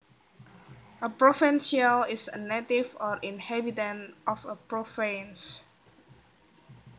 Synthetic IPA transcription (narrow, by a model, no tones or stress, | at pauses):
əpɹɔfɛ̃nsəlɪsənetifɔɹʔĩnhɛbitə̃nɔfəpɹofãns